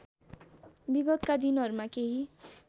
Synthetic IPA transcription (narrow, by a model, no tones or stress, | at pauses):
biɡʌt̪kad̪inɦʌɾumakeɦi